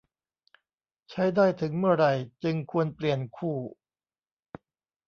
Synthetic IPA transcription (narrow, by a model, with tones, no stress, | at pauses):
t͡ɕʰa˦˥jdaː˥˩jt̪ʰɯ˩˦ŋmɯ˥˩ɐɾa˧jt͡ɕɯ˧ŋkʰu˧ənpli˨˩ənkʰuː˥˩